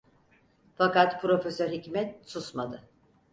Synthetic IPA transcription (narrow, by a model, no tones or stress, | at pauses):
fakat̪pʰɾo̞fesøɾhicmɛt̪̚susmad̪ɯ